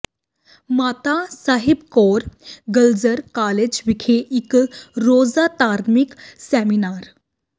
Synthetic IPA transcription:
mat̪asaɦibkoɾɡəld͡zəɾkaled͡ʑʋikʰeʔikɾod͡zat̪aɾmiksɛminaɾ

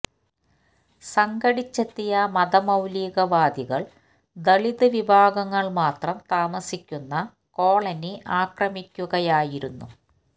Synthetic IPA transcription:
sɐŋɡɐɽit͡ɕːɐt̪ːijɐmɐd̪ɐmɐwliːɣɐʋaːd̪iɣɐɭ | d̪ɐɭiðɨʋibʱaːɡɐŋːɐɭmaːt̪rɐmt̪aːmɐsikʲːunːɐ | ko̞ːɭɐniʔaːkrɐmikʲːuɣɐjaːjiɾunːṵ

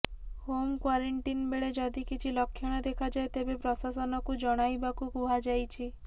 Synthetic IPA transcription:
homkwaɾeɳʈinbeɭed͡ʒɔd̪ikit͡ʃʰilɔkʰːjɔɽ̃ɔd̪ekʰad͡ʒaet̪ebepɾɔsasɔnɔkud͡ʒɔɽ̃ajbakukuɦad͡ʒajt͡ʃʰi

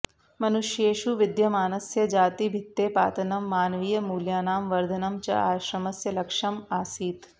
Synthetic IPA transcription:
mɐnʊʃjeːʃuʋɪd̪jɐmaːnɐsjɐd͡ʒaːt̪ibʱɪt̪ːeːpa̰ːt̪ɐnɐmːaːnʋiːjɐmuːljaːnaːmʋɐɾd̪ʱɐnɐmt͡ʃɐ̰aːʃɾɐmɐsjɐlɐkʂɐmaːsiːt̪

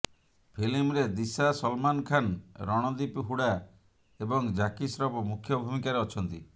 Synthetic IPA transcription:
pʰilimɾed̪isasɔlmankʰanɾɔɽ̃ɔd̪ipɦuɽa | ebɔŋd͡ʒakisɾɔpɔmukʰjɔbʱumikaɾeɔt͡ʃʰɔnt̪i

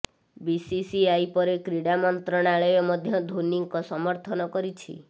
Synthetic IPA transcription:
bisisiajpɔɾekɾiɽamɔnt̪ɾɔɽ̃aɭɔjɔmɔd̪ʱjɔd̪ʱuniŋkɔsɔmɔɾt̪ʰɔnɔkɔɾit͡ʃʰḭ

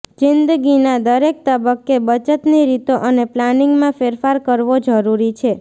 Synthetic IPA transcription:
d͡ʒɪnd̪ɡinad̪əɾek̚t̪əbəkːebət͡ʃət̪niɾit̪oʔəneplanɪŋɡmãfeɾfaɾkəɾʋod͡ʒəɾuɾit͡ʃʰe

